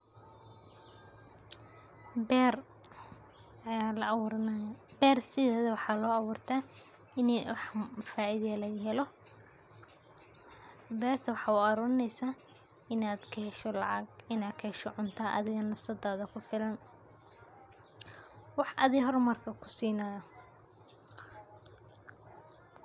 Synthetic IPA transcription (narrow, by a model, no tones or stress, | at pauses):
r | ɐjaːlɐ | bɛːrsɪðɛːðɐwɑħɑːlɔːɐwʊːrt̪ʰaː | ɪnwɑħfaːʔiðɐlɐɣɦɛlɔ | bɛːrt̪ʰɐwɑħɑːuɐɾuːɾɪnɛjsaː | ɪnaːd̪kʰɐhɛʃɔlɑ̰ʕɑ̰ɡɪnaːd̪kʰɐhɛʃɔʕʊnt̪ʰaːʔɐ̰ðɪɣɐnɐfsɐd̪aːðɐkʰʊfɪlɐn | wɑħʔɐ̰ðiɦɔrmɐrkʰɐkʰʊ̥siːnaːjɔ